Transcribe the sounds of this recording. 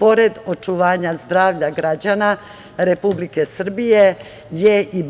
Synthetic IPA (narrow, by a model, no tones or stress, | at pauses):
po̞ɾe̞d̪o̞t͡ʃuʋaːɲazd̪ɾaːʋʎaɡɾad͡ʑana | ɾe̞publike̞sr̩bije̞ | jei